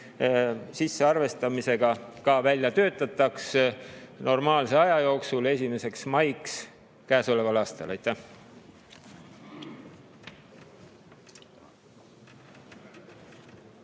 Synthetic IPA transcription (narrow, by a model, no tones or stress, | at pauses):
sisːe̞ɑrve̞st̪ɑmise̞ɡ̥ɑkɑːvælʲjɑt̪ø̞ːt̪ːˑɑt̪ːˑɑks | no̞rmɑːlseɑjɑjo̞ːksule̞s̬ʲime̞se̞ksmɑjks | kæːso̞le̞vɑlɑːst̪ɑ̰lɑjt̪ːæh